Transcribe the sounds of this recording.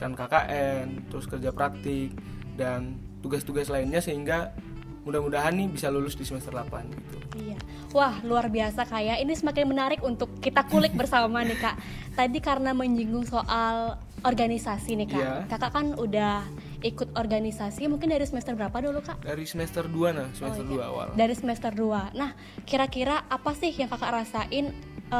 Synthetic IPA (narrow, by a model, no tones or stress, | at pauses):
kankakaʔɛnt̪əɾʊskərd͡ʒapɾak̚t̪ɪk̚ | dan | t̪uɡast̪uɡaslainɲasəɦiŋɡa | mudahmudaɦanːibisalulʊsdisəmɛst̪ərlapa̰nɡit̪uija | wahluarbiasakajaʔinisəmakɪnmənaɾɪkunt̪ʊkːit̪akulɪk̚bərsamanɪkaʔ | t̪adikaɾənaməɲd͡ʒiŋɡʊŋsoʔal | ɔrɡanisasinɪkakakaʔkanudah | ikʊt̪̚ɔrɡanisasimuŋkɪndaɾisəmɛst̪ərbəɾapadolokaʔdaɾisəmɛst̪ərduanahsəmɛst̪ərdua̰wa̰ldaɾisəmɛst̪ərduanah | kiɾakiɾaʔːpasɪhjaŋkakaʔɾasaʔɪn | ə